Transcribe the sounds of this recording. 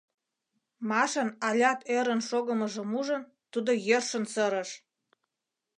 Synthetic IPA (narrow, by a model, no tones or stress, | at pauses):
mɑʃənɑlʲɑt̪eɾə̆nʃoɣə̆mə̆ʒə̆muʒə̆n | t̪ud̪ojørʃə̆nsəɾə̆ʃ